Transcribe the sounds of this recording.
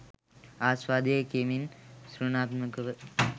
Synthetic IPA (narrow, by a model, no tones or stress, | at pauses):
aːsʋaːd̪ekeːminsɾunaːt̪mɐkɐʋə